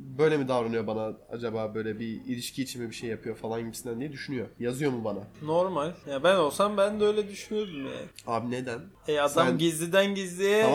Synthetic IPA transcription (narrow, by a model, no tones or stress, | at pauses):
bø̞jlʲɛmid̪avɾanɯjo̞banaa̰d͡ʒabaːbø̞jlʲɛbiilʲiʃcʰiːt͡ʃʰinmɛbiʃejːapʰɯjo̞falˠanɟibisind̪ænd̪ijɛd̪yʃynyjo̞jazɯjo̞mubanano̞ɾmalʲjabæno̞lˠsambænd̪ɛø̞jlʲɛd̪yʃynyjo̞d̪umja̰ːabined̪æn | ɛad̪amɟizlʲid̪ænɟizlʲijɛ